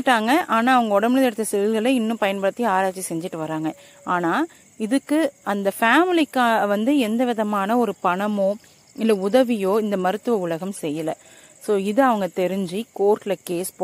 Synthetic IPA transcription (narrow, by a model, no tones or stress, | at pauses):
ʈːaːŋɡɐʔaːnaːɐʋɐŋɡɐɔɽɐnmɪlɐnɛɽɯt̪ːɐsɛɪlɣɐɭɐɪnːɯ̃pɐjɐnbɐɾɐt̪ːiaːɾaːt͡ʃːisɛɲd͡ʒɪʈːɯʋɐɾaːŋɡɐ | aːnaː | ɪðɯkːɯɐnd̪ɐfaːmɪlɪkːaːʋɐnd̪ɯɛnd̪ɐʋɪðɐmaːnɐɔɾɯpɐɳɐmoː | ɪlːɐʊðɐʋɪjoːɪnd̪ɐmɐɾɯt̪ːɯʋɐʊɭɐɣɐmsɛjːɐlɐ | soːɪðɯɐʋɐŋɡɐt̪ɛɾɪɲd͡ʒikoːɾʈlɐkeːspo